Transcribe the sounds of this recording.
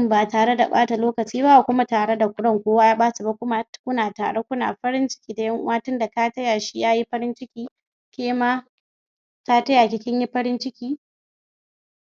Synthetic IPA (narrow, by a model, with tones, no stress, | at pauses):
mbaː˨taː˨ɽe˦da˨ɓa̰ː˦ta˨loː˦kɐ˨t͡ʃiː˦ba˦ʔa˨kʷʊ˦ma˦taː˨ɽe˦da˨kʷʊ˦ɽɔ˦˨ŋkʷoː˦waː˦jaː˦ɓaː˦su˨ba˦kʷʊ˦ma˦kʷʊ˦naː˨ta̰ː˨ɽe˦kʷʊ˦na̰ː˨ɸɐ˦ɽɪ˦nt͡ʃɪ̥˦kʲiː˦da˨jɐ˦ŋʔʊ̰˦waː˦tʊ˦nda˨ka˦tɐ˦ja˨ʃi˦jaː˦ji˦ɸɐ˦ɾɪ˦nt͡ʃɪ˦kʲiː˦ | kʲeː˦ma˦ | ta˦tɐ˦ja˨kʲɪ˦kʲɪ˦ɲji˦ɸɐ˦ɾɪ˦nt͡ʃɪ˦kʲiː˦